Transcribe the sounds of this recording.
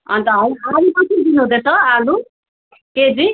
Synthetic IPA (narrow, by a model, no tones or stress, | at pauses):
ʌ̰nt̪ʌɦʌiaɾikʌt̪ʰid̪inuɦũd̪et̪ʌalu | ked͡zi